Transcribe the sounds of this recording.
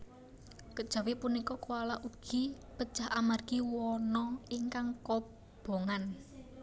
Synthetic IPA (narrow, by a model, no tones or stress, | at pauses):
kəd̥ʒ̥a̤wɪpunikɔkualaʔuɡ̥i̤ | pəd̥ʒ̥a̤ɦamarɡ̥i̤wɔnɔiŋkaŋkɔ | b̥o̤ŋan